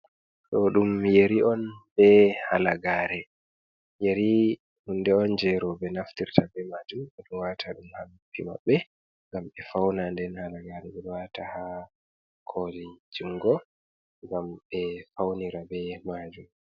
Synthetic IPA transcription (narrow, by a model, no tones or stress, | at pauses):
ɗɔɗumjeɾiʔɔnbɛhalaɡaːɾɛ | jeɾi | hundɛɔnd͡ʒɛɾɔbɛnaftiɾtʰabɛmad͡ʒumɛɗumwatʰaɗumhalupʰːima̰ɓːɛ | ŋɡamɓɛfawnandɛnhalaɡaɾɛɓɛwataha | kʰolid͡ʒuŋɡɔ | ŋɡamɓɛfawniɾabɛmad͡ʒum